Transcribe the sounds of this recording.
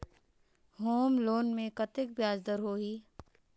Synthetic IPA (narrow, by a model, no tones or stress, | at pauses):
ɦoːmloːnmẽkɐt̪ɪk̚bjaːd͡ʒd̪əɾɦoːɦiː